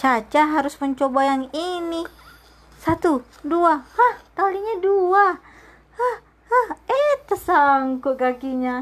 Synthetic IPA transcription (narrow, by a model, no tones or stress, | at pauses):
t͡ʃat͡ʃaɦaɾʊsməɲt͡ʃobajaŋini | sat̪u | duahaht̪aliɲadua | hah | ahət̪əsaŋkuɡaɡiɲa